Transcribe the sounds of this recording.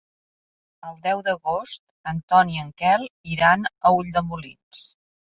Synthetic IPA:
əlˠd̪ɛwd̪əɣost̪̚ | ənt̪ɔniəŋkɛlˠiɾanəuʎd̪əmulḭns

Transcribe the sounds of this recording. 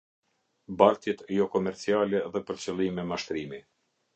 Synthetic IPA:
baɾt̪jɛt̪ɛjɔkɔmɛɾt͡sialɛðɛpəɾt͡səlˠimɛmaʃt̪ɾimi

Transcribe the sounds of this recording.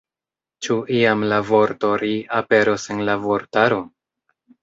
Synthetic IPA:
t͡ʃuiamlavo̞ɾto̞ɾiape̞ɾose̞nlavoɾtaɾo̞

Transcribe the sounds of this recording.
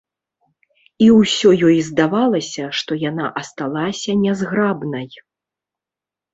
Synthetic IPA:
iwsʲɔjɔjzd̪avalˠɐsʲɐʂt̪ɔjanaʔɐst̪alˠasʲɐnʲɛzɣɾabnɐj

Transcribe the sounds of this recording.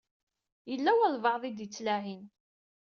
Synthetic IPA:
jəlːæwælvɑʕðˤid̪jət͡sːlæɦin

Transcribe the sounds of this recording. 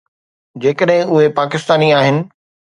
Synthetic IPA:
d͡ʑeːkəɗɦɪ̃ʊɦepaːkɪst̪aːniaːɦɪnɪ̆

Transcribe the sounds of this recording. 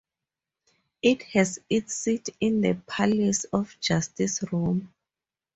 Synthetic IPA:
ithɛzitsitʰĩndəpʰalɛsɔfd͡ʒastisɹum

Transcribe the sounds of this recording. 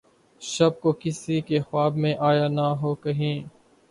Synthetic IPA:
ʃɐb̚kokɪsikexwaːbmẽʔaːjaːnaɦoːkɐɦĩː

